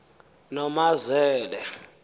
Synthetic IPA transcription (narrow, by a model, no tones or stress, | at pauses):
nɔmazɛːlɛ